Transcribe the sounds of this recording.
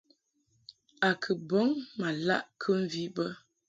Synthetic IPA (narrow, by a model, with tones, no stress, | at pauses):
a˨kʰə˨bo˨˦ŋma˨la̰˦ʔkʰə˦m̩˦˨vi˦bə˦